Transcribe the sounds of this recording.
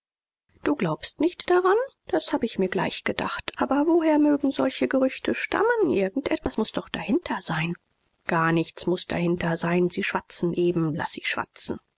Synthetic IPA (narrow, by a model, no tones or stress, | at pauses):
d̥uːɡlaʊpstnɪçtd̥aʁand̥ashaːbəɪçmiːɐɡla̰ɪçɡ̥əda̰χtʔaːbɐvoɦeːɐmøːɡŋ̩zɔlçəɡəʁʏçtʰəʃta̰mənʔɪ̰ɐɡŋ̩tʔɛtv̥asmʊsd̥ɔχd̥ahɪntʰɐz̥aɪn | ɡ̥aːɐnɪçt͡smʊsd̥a̰hɪntɐzaɪnziːʃv̥at͡sn̩ʔeːbm̩la̰siːʃv̥a̰t͡sn̩